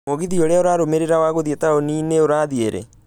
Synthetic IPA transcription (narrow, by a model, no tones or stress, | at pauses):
moɣiðioɾeaoɾaːɾomeɾeɾawaɣoðietaonineoɾaðieɾɛ̰